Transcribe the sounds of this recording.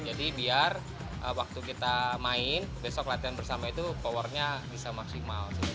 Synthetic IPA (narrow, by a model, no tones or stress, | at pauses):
d͡ʒadibiar | ʔəwak̚t̪ukit̪amaɪnbesɔklat̪ianbərsamait̪upɔwɔrɲabisamaksimalt̪ʊ